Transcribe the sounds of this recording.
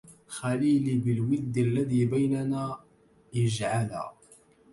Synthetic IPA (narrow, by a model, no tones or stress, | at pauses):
xaliːlibɪlwɪd̪ːalːaðiːbajnanaː | jad͡ʒʕala̰